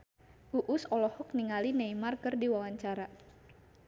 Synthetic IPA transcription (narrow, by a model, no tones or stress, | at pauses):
ʔuʔʊsɔlɔhɔk̚niŋalinejmarkɨrdiwawaɲt͡ʃaɾa